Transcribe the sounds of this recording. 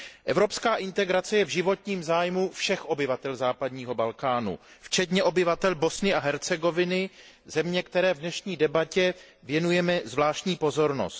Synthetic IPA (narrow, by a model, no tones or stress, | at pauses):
ʔɛvɾo̞pskaːʔɪnt̪ɛɡɾat͡sɛjɛvʒɪvo̞t̪ɲiːmzaːjmufʃɛxʔo̞bɪvat̪ɛlzaːpadɲiːɦo̞balkaːnṵ | ft͡ʃɛt̪ɲɛʔo̞bɪvat̪ɛlbo̞snɪaɦɛɾt͡sɛɡo̞vɪnɪ | zɛmɲɛkt̪ɛɾɛːvdnɛʃɲiːdɛbacɛ | vjɛnujɛmɛzvlaːʃt̪ɲiːpo̞zo̞ɾno̰st̪